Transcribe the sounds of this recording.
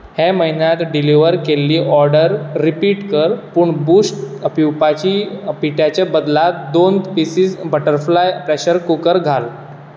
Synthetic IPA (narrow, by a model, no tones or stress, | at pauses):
heməɦinjat̪ɖiliʋəɾkelːiːʔɔɾɖəɾːipiːʈkəɾpuːɳbuːsʈpiwpat͡ɕiːpiʈjat͡ɕabəd̪lat̪d̪ond̪pisiːsbəʈəɾflajpɾeɕəɾkukəɾɡʱal